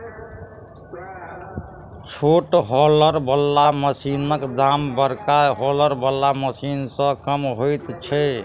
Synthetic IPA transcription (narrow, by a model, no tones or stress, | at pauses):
t͡ʃʰoʈɦɔləɾbəlːaməsinəkd̪ambəɾkaɦɔləɾbəlːaməsinsə̃kəmɦojt̪t͡ʃʰɛ